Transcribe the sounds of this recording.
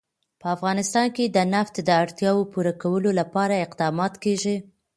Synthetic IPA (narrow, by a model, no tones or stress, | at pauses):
pəafɣɑnɪst̪ɑnked̪ənaft̪d̪əaɽt̪jɑwopuɾakawəlolapɑɾaɪqd̪ɑmɑt̪keʒi